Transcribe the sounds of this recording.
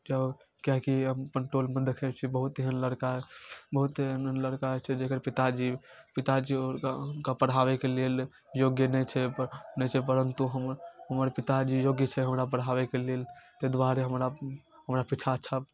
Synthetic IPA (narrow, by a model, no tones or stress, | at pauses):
d͡ʒəb | kaɦkiəmkəɳʈɾolmẽd̪ekʰɛt͡ʃʰibəɦut̪eɦənləɽkaɦɛbəɦut̪ɦənənləɽkaɦɛt͡ʃʰɛd͡ʒekəɾpit̪ad͡ʒi | pit̪ad͡ʒiokapəɽ̤ɦaʋekelel | joɡjənɛt͡ʃʰɛnɛt͡ʃʰɛpəɾənt̪uɦəmɾɦəməɾpit̪ad͡ʒijoɡjət͡ʃʰɛɦəmɾapəɽ̤ɦaʋekelelt̪ed̪ʋaɾeɦəmɾa | ɦəmɾapit͡ʃʰaətːʃʰab